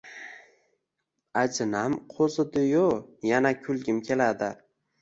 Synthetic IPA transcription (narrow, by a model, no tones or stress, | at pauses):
ad͡ʒɪnamqʰozɪd̪ɪjojanakʲʰʊlɡʲɪmkʲʰe̞lad̪ɪ